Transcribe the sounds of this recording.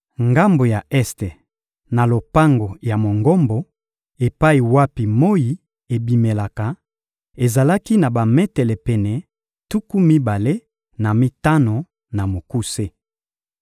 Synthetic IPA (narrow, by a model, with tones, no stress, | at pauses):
ŋɡa˦mbo˨ja˨ɛ˦ste˨ | na˨lo˨pa˦ŋɡo˨ja˨mo˨ŋɡo˦mbo˨ | e˨pa˦i˨wa˦pi˨mo˦ji˨ | e˨bi˨me˨la˨ka˨ | e˨za˨la˦ki˦na˨ba˨mɛ˦tɛ˨lɛ˨pɛ˨nɛ˨ | tu˦ku˦mi˦ba˨le˦ | na˨mi˦ta˦no˨ | na˨mo˨ku˦se˦